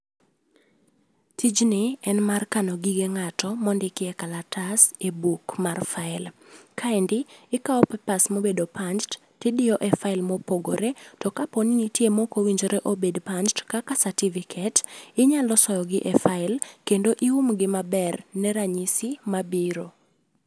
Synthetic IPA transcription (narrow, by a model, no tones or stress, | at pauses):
tʰid͡ʒnɪɛnmarkanɔɡiɡeŋatɔmɔndɪkɪɛkalatasebukmarfaɪlkʰaindɪɪkaɔpɛpasmobedopand͡ʒtːɪdɪjɔʔɛfaɪlmopoɡo̰ɾetɔkaponinitjemokowiɲd͡ʒoɾeʔobedpant͡ʃtkakasativikʰɛtɪɲalɔsɔjɔɡɪʔɛfaɪlkendoʔiumɡɪmabɛrnɛɾaɲisɪmabiɾo